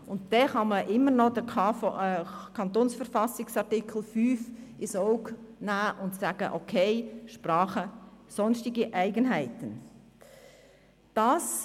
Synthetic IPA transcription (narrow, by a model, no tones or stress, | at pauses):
ʊntdɛχɑməʔɪmːənɔd̥ə | kʰɑnt̪oːnsfəɾfɑsɪksɑʁtɪkʰl̩fyːfɪsoʊknæːʔʊntsaːɡ̥əʔokʰeɪʃprɑːχəsɔnstɪɡəʔæɪɡənɦæɪtən | d̥ɑːs